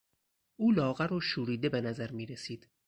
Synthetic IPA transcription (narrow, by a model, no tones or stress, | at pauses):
ʔuːlɒːɣæɾoːʃuːɾiːd̪e̞benæzæɾmiːɾesiːd̪̥